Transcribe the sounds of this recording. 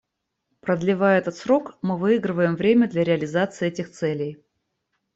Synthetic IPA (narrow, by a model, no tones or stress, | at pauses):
pɾəd̪lʲɪvajɛt̪ət̪sɾo̞kmɨvɨiɡɾɨvəjɪmvɾʲemʲəd̪lʲɐɾʲɪəlʲɪzat̪sɨːɛtʲɪxt̪sɛlʲej